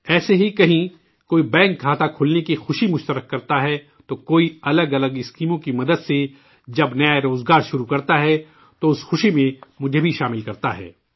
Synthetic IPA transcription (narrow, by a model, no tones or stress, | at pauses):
ɛːseɦikɐɦĩ | koːibɛ̃ːŋk̚ɡʱaːt̪akʰʊlnekixʊʃimʊʃt̪əɾəkːɐɾt̪aɦɛ | t̪oːkoːiɐləɡɐləɡɪskiːmõkimɐd̪əd̪se | d͡ʒɐbnɐjaeɾoːzɡaːɾʃʊɾukɐɾt̪aɦɛ | t̪oʊsxʊʃimẽmʊd͡ʒʱebʱiʃaːmɪlkɐɾt̪aɦɛ̰ː